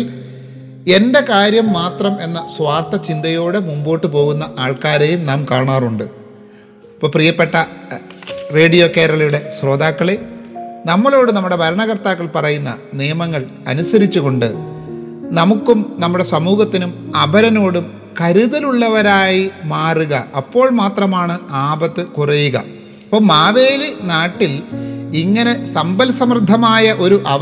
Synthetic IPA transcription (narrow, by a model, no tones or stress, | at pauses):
l | e̞nde̞kaːɾjɐmːaːt̪rɐme̞nːɐswaːrt̪ɐt͡ɕind̪ɐjo̞ːɽemumbo̞ːʈːɨpo̞ːɣunːɐʔaːɭkaːɾeːjumnaːmkaːɳaːruɳɖɨ | ipːoːprijɐpːe̞ʈːɐ | re̞ːɽijo̞keːɾɐɭɐjuɽe̞sro̞ːd̪aːkːɐɭenɐmːɐɭo̞ːɽɨnɐmːuɽe̞bʱɐɾɐɳɐɣɐrt̪aːkːɐɭpɐrɐjunːɐ̰nijɐmɐŋːɐɭ | ɐ̰nusɐɾit͡ɕːuɣo̞ɳɖɨ̰ | nɐmukːumnɐmːuɽe̞sɐmuːɣɐt̪ːinumɐbʱɐɾɐno̞ːɽum | kɐɾuðɐluɭːɐʋɐɾaːjimaːruɣɐɐpːo̞ːɭmaːt̪rɐmaːɳɨaːbɐt̪ːɨkurejuɣɐ̰ | ɐpːoːmaːʋeːlinaːʈːiliŋːɐne̞sɐmbɐlsɐmrd̪ʱːɐmaːjɐʔo̞ɾuʔɐ